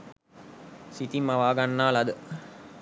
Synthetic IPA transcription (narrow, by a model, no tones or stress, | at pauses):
sit̪imːaʋaːɡanːaːlad̪ə